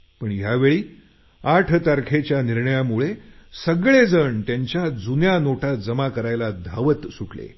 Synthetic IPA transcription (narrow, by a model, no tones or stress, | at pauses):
pəɳjaʋeɭiː | aʈʰt̪aɾkʰet͡ɕjaniɾɳəjamuɭesəɡɭed͡zəɳt̪jaɲt͡ɕjad͡zunjanoʈʰad͡zəmakəɾajlad̪ʱaʋət̪suʈlḛ